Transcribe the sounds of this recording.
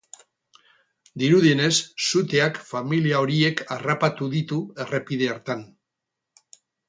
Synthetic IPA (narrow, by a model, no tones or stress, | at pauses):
d̪iɾuð̞iene̞sːut̪e̞akfamiliao̞ɾie̞karapat̪uðit̪ue̞repið̞eaɾt̪an